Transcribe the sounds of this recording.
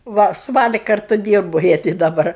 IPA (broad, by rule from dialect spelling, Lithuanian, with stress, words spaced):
ˈʋɐ sʊ ˈʋɑːlʲɪ ˈkɐrtʊ ˈdʲiːrboː ˈjiɛ tʲɪ dɐˈbɐr